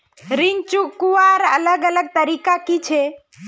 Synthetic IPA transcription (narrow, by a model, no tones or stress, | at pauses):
ɾɪnt͡ʃukuaːɾələɡələɡ̚t̪əɾikakit͡ʃʰe